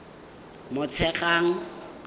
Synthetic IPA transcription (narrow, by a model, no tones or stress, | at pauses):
mʊt͡sʰɛχʼaŋ̩